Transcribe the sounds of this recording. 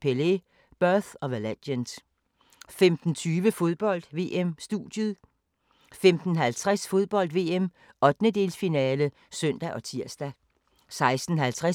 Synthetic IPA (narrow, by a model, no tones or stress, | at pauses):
pʰele | b̥ɶɐθɒ̽ʋæled̥jəns | femd̥n̩t͡sʰyːʋəfo̝ð̞ˠb̥ɒ̽l̰d̥ʋe̝ːemsd̥ṵːd̥jəð̩ˠ | femd̥n̩ɦælt͡sʰʁasfo̝ð̞ˠb̥ɒ̽l̰d̥ʋe̝ːem | ɒ̽d̥nəd̥e̝̰ːlsfinɛːlə | søn̰d̥æʔɒ̽t͡sʰiɐ̰sd̥æ | sɑ̈ɪsd̥n̩ɦælt͡sʰʁa